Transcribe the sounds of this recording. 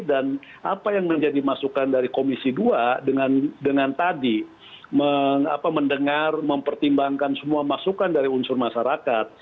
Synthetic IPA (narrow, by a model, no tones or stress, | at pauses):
dan | apajaŋməɲd͡ʒadimasukandaɾikomisiduadəŋandəŋant̪adi | məŋa̰paməndəŋarməmpərt̪imbaŋkansəmuamasukandaɾiunsʊrmaʃaɾakat̪̚